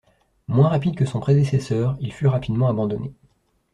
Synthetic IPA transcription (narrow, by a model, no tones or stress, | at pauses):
mwɛ̃ʁapid̪̚kəsɔ̃pχed̪esesœːʁilfyʁapid̪mɑ̃abɑ̃d̪ɔne